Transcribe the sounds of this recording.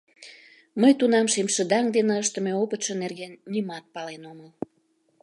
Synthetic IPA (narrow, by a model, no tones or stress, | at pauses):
məjt̪unɑmʃemʃəd̪ɑŋd̪enə̆əʃt̪ə̆meopət̪ʃə̆nerɣenːimɑt̪̚pɑlenoməl